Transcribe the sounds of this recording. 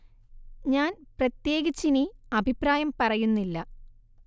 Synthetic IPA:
ɲaːnprɐt̪je̞ːɣit͡ɕːiniɐbʱipraːjɐmpɐrɐjunːilːɐ

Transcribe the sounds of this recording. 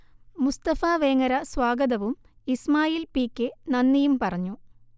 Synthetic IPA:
must̪ɐfaːʋeːŋɐɾɐswaːɡɐðɐʋum | ismaːjiːlpiːkʲːɨnɐnːijumpɐrɐɲːu

